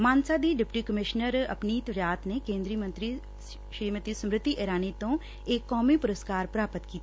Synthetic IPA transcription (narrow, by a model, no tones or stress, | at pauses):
mãːnsad̪iɖɪpʈikəmɪʃnəɾɐ̰pniːt̪ɾaːt̪ʰnekẽːnd̪ɾijəmə̃nt̪ɾi | ʃɾiːmət̪isɐmɾɪt̪ːiʔeːɾaːnit̪õ | eːkːɔːmipʊɾəskaːɾpɾaːpət̪kiːt̪ː